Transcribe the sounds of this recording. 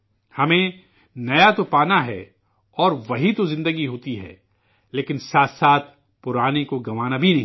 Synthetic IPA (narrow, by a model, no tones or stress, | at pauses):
hɐmẽ | nɐjat̪opaːnaɦɛ̰ | ɔːɾʋɐɦit̪ozɪ̃nd̪əɡiɦoːt̪iɦɛ̰ː | leːkɪnsaːt̪ʰsaːt̪ʰ | pʊɾaːnekoɡɐʋaːnabʱinɐɦĩ